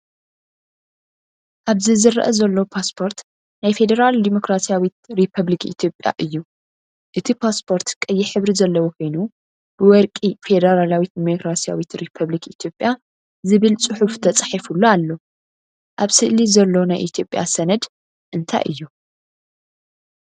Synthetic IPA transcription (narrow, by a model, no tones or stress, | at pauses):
ʔaβzizɨrːʔɐzɐlːopʰaspʰo̞ɾt̪ | najfe̞d̪ɐɾald̪imo̞kɾasijawit̪̚ɾipʰɐβlikḭt̪ʰjo̞pʼːja̰ʔɨjːu | ʔɨt̪ʰipʰaspʰo̞ɾt̪kʼɐjːɪħɨβɾizɐlːɐwokʰo̞jnu | b̥ɨwɔɾkʼife̞d̪ɐɾalawit̪̚d̪imokɾasija̰wit̪ɾipʰɐβlikit̪ʰjo̞pʼja | zɨβɨlt͡sʼɨħuft̪ʰɐt͡sʼḁħifulːoalːo̞ | ʔaβsɨʔlizɐlːonajʔit̪ʰjo̞pʼja̰sɐnɐd̪ | ʔɨnt̪ʰa̰jʔɨ̰jːu